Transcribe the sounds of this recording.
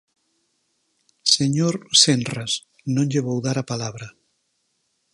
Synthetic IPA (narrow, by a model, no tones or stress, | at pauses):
seɲoɾsenras | nõnʎeβowðaɾapalaβɾa